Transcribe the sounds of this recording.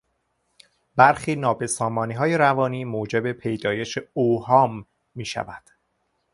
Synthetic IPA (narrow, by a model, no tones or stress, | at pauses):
bæɾxiːnɒːbesɒːmɒːniːɦɒːjeɾævɒːniːmoːd͡ʒe̞be̞pʰe̞jd̪ɒːje̞ʃeohɒːmː | iːʃæ̰væd̪̥